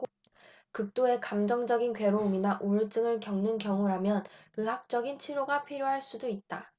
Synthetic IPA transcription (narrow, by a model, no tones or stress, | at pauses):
kɯk̚t͈oe̞kamd͡ʑʌŋd͡ʑʌɡinkwe̞ɾouminaʔuɾɯt͡ɕ͈ɯŋɯɭkjʌŋnɯnkjʌŋuɾamjʌnɯɦak̚t͡ɕ͈ʌɡint͡ɕʰiɾoɡapʰiɾjoɦaɭs͈udoit̚t͈a